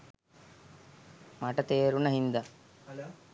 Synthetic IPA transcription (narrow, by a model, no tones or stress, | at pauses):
mɐʈɐt̪eːɾunɐɦind̪ɐ